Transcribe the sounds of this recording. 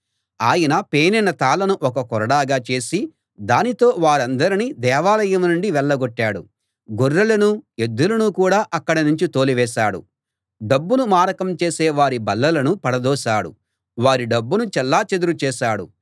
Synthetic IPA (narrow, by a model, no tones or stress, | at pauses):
aːjɐnɐpeːnɛnɐt̪aːlɐnuʔɔkɐkɔɾɐɽaːɡaːt͡ʃe̞ːsi | d̪aːnit̪o̞ːʋaːɾɐnd̪ɐɾinid̪ɛːʋaːlɐjɐmnuɳɖiʋɛɭːɐɡoʈːaːɽṵ | ɡoɾːɐlɐnue̞d̪ːulɐnukuːɽaːʔɐkːɐɽɐnuɲt͡ʃit̪o̞ːliʋɛːʃaːɽṵ | ɖɐbːunumaːɾɐkɐmt͡ʃeːsɛːʋaːɾibɐlːɐlɐnupɐɽɐd̪ɔːʃaːɽṵ | ʋaːɾiɖɐbːunut͡ʃɛlːaːt͡ʃed̪uɾut͡ʃɛːʃaːɽṵ